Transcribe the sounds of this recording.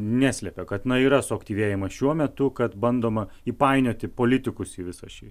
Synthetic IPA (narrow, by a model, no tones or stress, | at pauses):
nʲæːsʲlʲɛpʲɛkɐt̪nɐiːɾɐsʊɐkt̪ʲiːʋʲeːjɪmɐʃʲuɔmʲɛt̪ʊkɐt̪bɐnd̪oːmɐiːpɑɪnʲoːt̪ʲɪpoːlʲɪt̪ʲɪkʊsiːʋʲɪsɐʃʲɪ